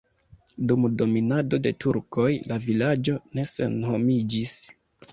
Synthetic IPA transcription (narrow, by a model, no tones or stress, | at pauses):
dumdo̞minado̞de̞tʰuɾko̞jlavilad͡ʒo̞ne̞se̞̰nho̞mid͡ʒis